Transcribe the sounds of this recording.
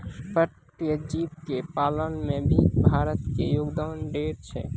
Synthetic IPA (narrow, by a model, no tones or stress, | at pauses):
pəʈ | ijəd͡ʒiːtkepaːlənmẽbʱibʱaːɾət̪kḛjoːɡd̪aːnɖeːɾt͡ʃʰɛ̰